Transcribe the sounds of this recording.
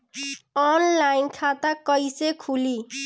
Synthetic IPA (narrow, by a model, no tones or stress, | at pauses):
ɔnlajnkʰat̪akʌjsekʰuli